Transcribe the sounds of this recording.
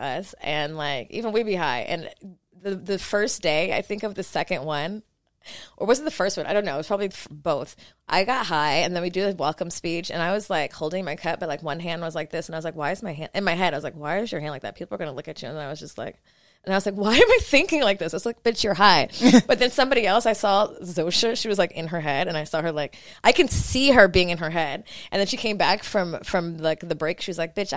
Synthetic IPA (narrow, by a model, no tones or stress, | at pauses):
ʔʌsɨ̃nlaɪkḭvə̃nwibiɦaɪʔɨ̰̃n | ðɨðɨfɜ˞sd̥eɪa̰ɪθɪ̃ŋkʌvðɨsɛkɨ̃ndwʌ̃n | ʔə˞wʌzɨt̪ðɨfɜ˞st̚wʌ̃naɪɾõʊ̃nːoʊwʌ̥pʰɹɑbəbliðfb̥oʊθʔa̰ɪɡɑt̚ɦaɪɨ̃nðɨ̃nwidɨðɨwɛlˠkə̃mspit͡ʃɨ̰̃naɪwʌzlaɪkhoʊlˠdɪ̃ŋmaɪkʰʌt̚b̥ʌt̚laɪkwʌ̃nɦæ̃nd̃nwʌzlaɪk̚ðɪsn̩aɪwʌzlaɪkwaɪɨzmaɪɦæ̃nɨ̃nmaɪɦɛdɾaɪʌzlaɪkwaɪɨzjə˞hæ̃ndˡlaɪk̚ðɨ̰tpʰipl̩ˠɡʌnəlʊkɨt͡ʃʉɨ̃nðə̃naɪwʌzd͡ʒʌst̚ˡla̰ɪk | ɨ̃naɪwʌzlaɪkwaɪɨ̃maɪθɪ̃ŋkɪ̃ŋlaɪk̚ðɪsɨtslaɪk̚b̥ɪt͡ʃjə˞ɦaɪb̥ʌt̪̚ðɨ̃nsʌ̃mbɑɾiɛlˠsaɪsɔzoʊʃɨʃiwʌzlaɪkɨ̃nə˞ɦɛɾɨ̃naɪsɔə˞laɪk | ʔaɪkɨ̃nsiə˞biɪ̃ŋɨ̃nə˞ɦɛdʔɨ̃nðɨ̃nʃikʰẽɪ̃mbækfɹʌ̃mfɹʌ̃mlaɪk̚ðɨbɹeɪkʃiwʌzlaɪk̚b̥ɪt͡ʃ